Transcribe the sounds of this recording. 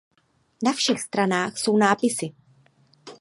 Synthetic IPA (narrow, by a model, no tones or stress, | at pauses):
nafʃɛxst̪ɾanaːxso̞wnaːpɪsɪ